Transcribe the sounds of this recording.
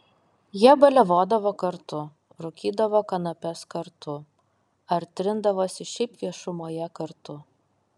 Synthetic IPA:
jiɛbɐlʲɛʋoːd̪ɐʋoːkɐɾt̪ʊ | ɾʊkʲiːd̪ɐʋoːkɐnɐpʲɛskɐɾt̪ʰʊ | ɐɾʲt̪ʲɾʲɪnd̪ɐʋoːsʲɪʃʲɛɪpʋʲiɛʃʊmoːjɛkɐɾt̪ʊ

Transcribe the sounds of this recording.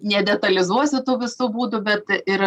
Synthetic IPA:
nʲɛd̪ʲɛt̪ɐlʲɪzuɔsʲɪt̪uːʋʲɪsubuːd̪ʊbʲɛt̪ɪɾ

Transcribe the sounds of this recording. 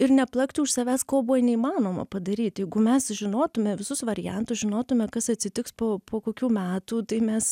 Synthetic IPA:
ɪrnʲɛplˠɐkt̪ʲuʊʃsɐʋʲæːskoːbʊʋɐnʲɛiːmɑːnoːmɐ̰pɐd̪ɐɾʲiːt̪ʲjɛɪɡʊmʲɛsʒʲɪnoːt̪ʊmʲɛʋʲɪsʊsʋɐɾʲɪjɛnt̪ʊsʒʲɪnoːt̪ʊmʲɛkɐsɐt̪ʲsʲɪt̪ʲɪkspoːpʰoːkoːkʲuːmʲæːt̪uːt̪ɐɪmʲɛs

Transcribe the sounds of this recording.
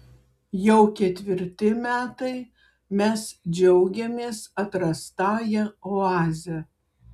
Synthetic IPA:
jɛʊkʲɛt̪ʲʋʲɪɾʲt̪ʲɪmʲæːt̪ɐɪ | mʲɛsd͡ʒʲɛʊɡʲɛmʲeːsɐt̪ɾɐst̪ɑːjɛoɑːzʲɛ

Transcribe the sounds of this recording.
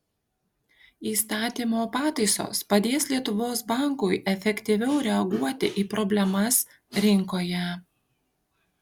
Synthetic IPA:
iːst̪ɑːt̪ʲiːmoːpɑːt̪ɐɪso̰ːspɐd̪ʲeːslʲiɛt̪ʊʋoːsbɑˑŋkʊɪʔɛfʲɛkʲt̪ʲiʋʲɛʊɾʲɛɐɡuɔt̪ʲɪʔiːpɾɔbʲlʲɛmɐs | ɾʲɪŋˑkoːjɛ

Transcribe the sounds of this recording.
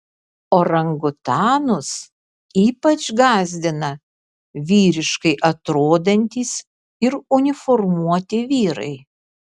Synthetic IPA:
oːɾɐŋɡʊt̪ɑːnʊs | iːpɐt͡ʃɡɑːzʲd̪ʲɪnɐ | ʋʲiːɾʲɪʃkɐɪʔɐt̪ɾoːd̪ɐnʲt̪ʲiːs | ɪɾʊnʲɪfɔɾmuɔt̪ʲɪʋʲiːɾɐ̰ɪ

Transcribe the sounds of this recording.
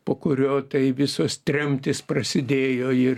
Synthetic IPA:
poːkʊɾʲoːt̪ɐɪʋʲɪsoːst̪ʲɾʲɛmʲt̪ʲɪspɾɐsʲɪd̪ʲeːjoːɪr

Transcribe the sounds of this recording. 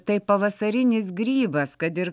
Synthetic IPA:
t̪ɐɪpɐʋɐsɐɾʲɪnʲɪsɡɾʲiːbɐskɐt̪ɪɾ

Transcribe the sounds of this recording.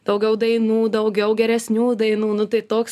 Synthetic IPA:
d̥̪ɐʊɡʲɛʊd̪ɐɪnuːd̪ɐʊɡʲɛʊɡʲɛɾʲɛsʲnʲuːd̪ɐɪnuːnʊt̪ɐɪt̪oːks

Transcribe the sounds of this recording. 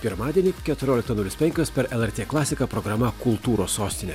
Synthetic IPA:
pʲɪɾmɑːd̪ʲiɛnʲiːkʲɛt̪ʊɾʲoːlʲɪkt̪ɐnʊlʲɪspʲɛŋʲkʲoːspʲɛɾɛlˠɛɾʲt̪ʲeːklˠɑːsʲɪkɐpɾɔɡɾɐmɐkʊlˠt̪uːɾoːsoːsʲt̪ʲɪnʲe

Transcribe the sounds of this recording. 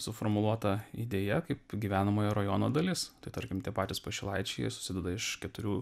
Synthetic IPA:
sʊfoːɾmʊlˠuɔt̪ɐḭd̪ʲeːjɛkɐɪpɡʲiːʋʲæːnɐmoːjɛɾɐjɔːno̰ːd̪ɐlʲɪst̪ɐɪt̪ɐɾʲkʲɪmt̪ʲiɛpɑːt̪ʲɪspɐʃʲɪlˠɐɪt͡ʃʲɛjɛ̰sʊ̥sʲɪd̪ʲɛd̪ɐɪʃkʲɛt̪ʊɾʲuː

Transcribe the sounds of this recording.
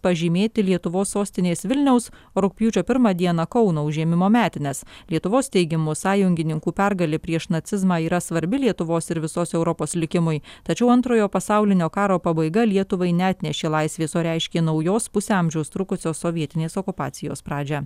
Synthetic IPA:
pɐʒʲɪmʲeːt̪ʲɪlʲiɛt̪ʊʋoːsːoːsʲt̪ʲɪnʲeːsʋʲɪlʲnʲɛʊs | oɾʊk̚pʲjuːt͡ʃʲoːpʲɪɾmɑːd̪ʲiɛnɐkɒʊnoːʊʒʲiɛmʲɪmoːmʲæːt̪ʲɪnʲɛslʲiɛt̪ʊʋoːst̪ʲɛɪɡʲɪmʊsɑːjʊŋʲɡʲɪnʲɪŋkuːpʲɛɾɡɐlʲɪpʲɾʲiɛʃnɐt̪sʲɪzmɑːiːɾɐsʋɐɾʲbʲɪlʲiɛt̪ʊʋoːsɪɾʋʲɪsoːsɛʊɾɔpoːslʲɪkʲɪmʊɪt̪ɐt͡ʃʲɛʊɐnt̪ɾoːjoːpɐsɑˑʊlʲɪnʲoːkɑːɾoːpɐbɐɪɡɐlʲiɛt̪ʊʋɐɪnʲɛɑːt̪ʲnʲɛʃʲeːlˠɐɪsʲʋʲeːsoːɾʲæɪʃʲkʲeːnɐʊjoːspʊsʲeɐmʲʒʲɛʊst̪ɾʊkʊsʲoːsoːʋʲiɛt̪ʲɪnʲeːsokʊpɑ̰ːt̪sʲɪjoːspɾɑːd͡ʒʲɛ

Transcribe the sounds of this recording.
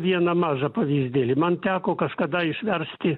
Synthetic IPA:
ʋʲiɛnɐmɑːʒɐpɐʋʲiːzʲd̪ʲeːlʲɪmɐnt̪ʲæːkoːkɐʃkɐd̪ɐɪʃʲʋʲɛrʲsʲt̪ʲɪ

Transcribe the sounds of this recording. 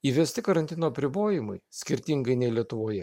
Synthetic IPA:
iːʋʲɛsʲt̪ʲɪkɐɾɐnʲt̪ʲɪnoːɐpʲɾʲɪboːjɪmɐɪsʲkʲɪɾʲt̪ʲɪŋɡɐɪnʲɛɪlʲiɛt̪ʊʋoːjɛ

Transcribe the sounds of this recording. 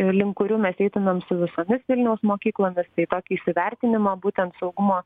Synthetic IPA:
lʲɪŋkʊɾʲuːmʲɛsɛɪt̪ʲɪnoːmsʊʋʲɪsoːmʲɪsʋʲɪlʲnʲɛʊsmoːkʲiːklˠoːmʲɪst̪ɐɪt̪oːkʲiːʃʲsʲɪʋʲɛɾʲt̪ʲɪnʲɪmoːbuːt̪ʲɛnt̪sɒʊɡʊmoː

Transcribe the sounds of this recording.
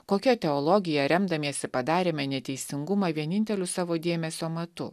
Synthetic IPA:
koːkʲɛt̪ʲɛɔlˠɔɡʲɪjɛɾʲɛmd̪ɐmʲeːsʲɪpɐd̪ɑːɾʲeːmʲɛnʲɛt̪ʲɛɪsʲɪŋɡʊmɑʋʲiɛnʲɪnʲt̪ʲɛlʲʊsɑːʋoːd̪ʲeːmʲɛsʲoːmɐt̪ʊ

